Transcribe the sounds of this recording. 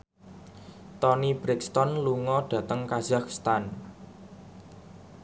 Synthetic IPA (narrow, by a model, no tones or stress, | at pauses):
t̪ɔnib̥ɾɪkst̪ɔnluŋɔɖ̥ä̤t̪əŋkaz̥akst̪an